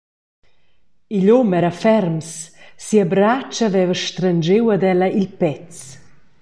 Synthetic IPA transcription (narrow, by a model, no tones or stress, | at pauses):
iʎɔmɛɾafɛɾmssːiabɾat͡ʃavɛvəʃt̪ɾand͡ʒewad̪ɛləilpɛt͡s